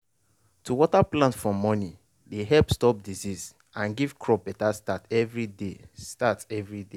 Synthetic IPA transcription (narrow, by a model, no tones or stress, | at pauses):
tʰuwɔtaplãnsfɹɔ̃mɔni | deɦɛlpstɔp̚dizis | ãnɡiv̥kʰɹɔbɛtastatɛvɹidestatɛvɹide